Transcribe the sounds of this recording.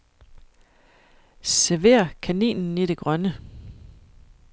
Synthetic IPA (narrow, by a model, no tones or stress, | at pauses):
seʋe̝̰ːɐkʰænḭːnn̩iɾe̝ɡ̥ʁɶnə